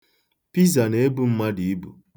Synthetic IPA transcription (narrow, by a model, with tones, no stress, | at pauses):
pi˦za˨ne˨˦e˦bu˦m̩˦ma˦di˨˦bṵ˨